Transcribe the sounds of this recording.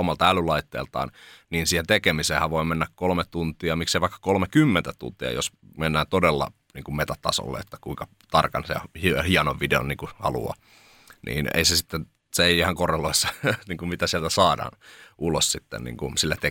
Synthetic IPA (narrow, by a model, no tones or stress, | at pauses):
omɑlt̪ɑælylɑit̪ːḛːlt̪ɑ̰ːnniːnsiːhent̪ekemiseːhæʋʋoimenːækkolmet̪t̪unt̪ˑiɑmikseiʋɑikːɑ̥kolmekymːent̪æt̪ṵnt̪iɑ̰jo̰smenːæːnt̪odelːɑ̰ | niːŋkummet̪æt̪t̪ːɑ̰so̰lːḛet̪ːæ̥kuiŋkɑ | t̪ɑrkɑnsehihiɑnoʋʋideo̰nniːŋkuhɑ̰lṵɑ̰ | nʔḭːnḛisesit̪ːen | seeiihɑŋkoreloisːɑniːŋkummit̪æsiælt̪æsɑːdɑ̰ːnulossit̪ːḛnnḭːŋkunsilːæt̪e